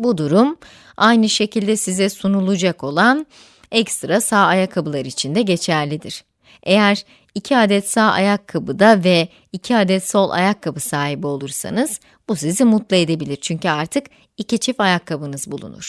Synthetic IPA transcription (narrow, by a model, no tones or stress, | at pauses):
bud̪uɾum | ajnɯʃe̞cʰilʲd̪ɛsizɛsunulˠud͡ʒako̞lˠan | ɛkst̪ɾasaːajakʰːabɯlˠaɾɯit͡ʃʰind̪ɛɟe̞t͡ʃʰæɾlʲid̪iɾ̥ | ʔe̞jæɾ | icʰiaːd̪ɛt̪saːʔa̰jakʰːabɯd̪avɛ | icʰiaːd̪ɛt̪so̞lˠa̰jakʰːabɯsaːɦibio̞lˠuɾsa̰nɯz̥ | busizimut̪lˠɯe̞d̪e̞bilʲiɾt͡ʃʰyɲcyaɾt̪ʰɯk | icit͡ʃʰifajakʰːabɯnɯzbulˠṵnṵɾ̥